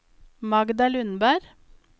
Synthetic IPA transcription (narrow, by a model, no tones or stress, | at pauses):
mɑɡd̪ɑlʉnbæɾ